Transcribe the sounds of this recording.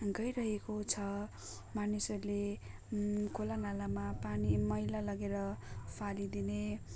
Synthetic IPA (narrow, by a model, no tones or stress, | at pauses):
ɡʌjɾʌɦekot͡sʰʌ | manisʌrule | kʰolanalamapanimʌjlalʌɡeɾʌpʰalid̪ine